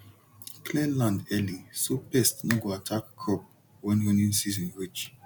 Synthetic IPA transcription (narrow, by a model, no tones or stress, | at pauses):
klɛ̃nlãndɛlĩsopɛstnɔɡoatʰakkʰɔp̚ | wɛ̃nwɔnĩnsizɔ̃nɹit͡ʃ